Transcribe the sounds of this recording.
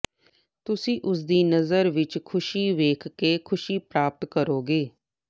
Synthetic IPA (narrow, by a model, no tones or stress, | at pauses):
t̪ʊsĩːʔʊs̬d̪iːnəzəɾʋɪt͡ʃkʰʊʃiːʋeːkʰkeːkʰʊʃiːpɾaːp̚t̪kəɾoːɡeː